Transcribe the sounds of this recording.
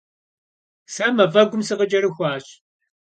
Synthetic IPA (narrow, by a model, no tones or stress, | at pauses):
sɐmɐvɐɡʷʊmsɨʁəd͡ʒɐɾɨxʷɑːɕ